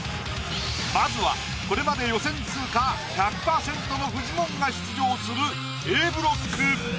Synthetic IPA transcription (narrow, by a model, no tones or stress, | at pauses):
mazɨβa̰ | ko̞ɾe̞mad̪e̞jo̞sẽ̞nt͡sɨːka | çakɯ̥paːsẽ̞nt̪onoɸɯ̟ʑimõ̞ŋɡaɕi̥t͡sɨʑo̞ːsɨɾɯ̟ | eːbɯ̟ɾo̞sɨ̥kɯɾɯːɯ